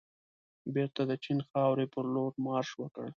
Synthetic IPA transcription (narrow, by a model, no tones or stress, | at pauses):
beɾt̪ad̪ət͡ʃinxɑwɾepəɾloɾmɑɾʃwəkə̰ɽ